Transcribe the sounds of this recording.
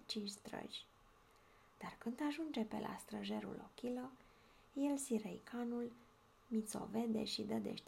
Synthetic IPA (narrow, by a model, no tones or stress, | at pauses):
t͡ʃint͡ʃst̪ɾə̰ʒʲ | d̪̥arkɨnd̪aʒund͡ʒe̞pe̞̰lʔa̰st̪ɾəʒe̞ɾṵlokʲilo | jelsiɾejkʰanul | mit̪so̞̰ve̞d̪e̞̰ʃid̪əd̪ḛʃt̪